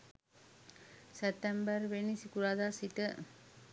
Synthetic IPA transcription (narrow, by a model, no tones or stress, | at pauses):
set̪ːɛmbərʋenisikuɾaːd̪asit̪ə